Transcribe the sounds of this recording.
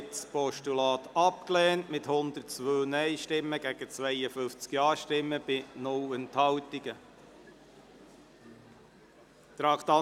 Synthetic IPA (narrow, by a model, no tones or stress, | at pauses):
tspɔʃtulɑːt̪ɑpklɛːntmɪthʊnd̪ərtt͡sʋøːnɛɪʃtɪmːəɡ̥æɡ̥ət͡svɛɪəfʏft͡skiɑːʃtɪmːəb̥ɪnʊlənt̪hɑwtiɡ̥ə | t̪ɾɑkt̪ɑ